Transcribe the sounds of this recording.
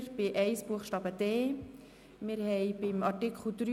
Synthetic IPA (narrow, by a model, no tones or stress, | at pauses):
ɾb̥ɪʔɛɪsb̥uəxʃtɑːbədeː | mɪɾhɛɪbɪmɑtɪkʰχl̩d̥ɾy